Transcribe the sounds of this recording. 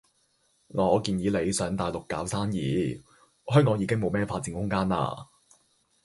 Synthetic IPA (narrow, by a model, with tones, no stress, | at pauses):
naː˨ɔː˨˧kiː˧njiː˨˧le˨˧jsœː˨˥ŋt̪aː˨˩jlʊ˨kːaː˨˥wsaː˥njḭː˨˥˧ | hœː˥ŋk̬ɔː˨˥ŋjiː˨˧kɪ˥ŋmo˨˧wmɛː˥faː˧t̚t͡siː˨˥nhʊ˥ŋkaː˥nla̰ː˧